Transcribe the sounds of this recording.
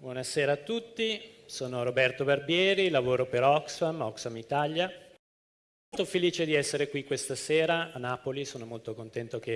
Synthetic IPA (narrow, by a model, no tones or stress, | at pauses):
bwɔnaseːɾaːt̪ːut̪ːisoːnoɾobɛrt̪obarbjɛːɾilavoːɾopeɾɔksfamɔksfamit̪aʎja | olt̪ofeliːt͡ʃed̪iɛsːeɾekwikwest̪aseːɾaːnːaːpolisoːnomolt̪okont̪ɛnt̪oke